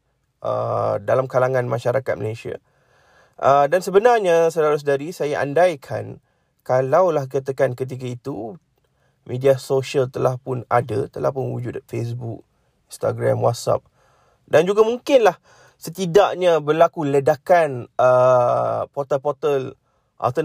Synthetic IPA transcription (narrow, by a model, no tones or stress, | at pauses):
ʔə̰dalamkalaŋãnmaʃaɾakat̪̚mə̰lasia̰ | ʔədansəbənarɲasəlaɾus̬daɾisajaʔa̰ndajkʰa̰n | kalawlahkat̪̬əkankət̪̬ik̬ait̪u | mediasoʃialt̪əlahpʊnada̰t̪əla̰hpʊnwud͡ʒʊdfes̬buk̚ | inst̪a̰ɡɾamwa̰t̪̚sa̰p̚ | dand͡ʒuɡamuŋkɪnlah | sət̪idaʔɲabərlakulədakanə | pɔt̪əlpɔt̪əl | ʔa̰t̪ə